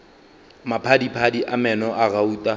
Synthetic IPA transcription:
mapʰadipʰadiʔamɛnɔʔaɣauːtʼa

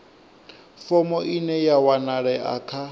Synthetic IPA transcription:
fɔmɔʔinɛjawanaɺɛʔa̰kʰa

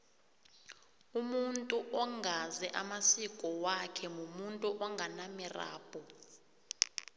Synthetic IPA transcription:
umuntʼuʔɔŋʱazɛʔamasikʼɔwakʰɛmumuntʼuʔɔŋɡʱanamira̰ːb̥ʱʼɔ

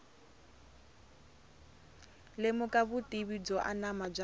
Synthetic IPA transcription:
lɪmʊkʼaβʊtʼiβid͡zɔʔa̰namad͡ʒa

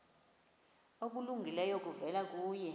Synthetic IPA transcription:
ok̬ʼuluŋɡʱilɛjok̬ʼuvɛlak̬ʼuːjɛ

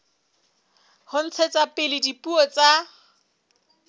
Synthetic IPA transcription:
hʊn̩t͡sʰet͡sʼapʼɪlɪdipʼuɔt͡sʼa

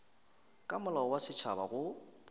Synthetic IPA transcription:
kʼamʊlawasɪt͡ʃʰa̰ba̰ɣʊ

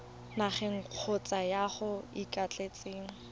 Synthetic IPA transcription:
naχɛŋ̩q͡χʰot͡sʼajaχʊikʼat͡ɬʼet͡sʼeːŋ̩

